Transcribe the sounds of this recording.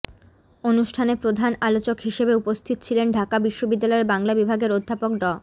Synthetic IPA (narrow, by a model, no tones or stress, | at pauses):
onuʃʈʰanepɾod̪ʱanalot͡ɕokɦiʃebeupost̪ʰit̪o̥t͡ɕʰilenɖʱakabiʃːobid̪ːalɔeɾbaŋlabibʱaɡeɾod̪ʱːapok̚ɖɔ